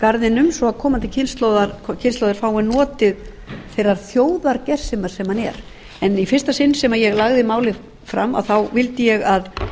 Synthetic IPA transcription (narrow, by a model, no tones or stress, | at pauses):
kaɾðɪnʏmsɔakʰɔːmant̪ɪcʰɪnst̪lowðaɾkʰcʰɪnst̪lowðɪɾ̥faːwɪnɔːt̪ɪð | θejrːaɾ̥θjoːwðaɾcɛr̥sɪmaɾ̥sɛmhanɛ̰ɾ | ɛnifɪr̥st̪asɪnːsɛmaɾjɛɣlaɣðɪmaːwlɪ | fɾa̰mːa̰wθawvɪlt̪ɪjɛɣað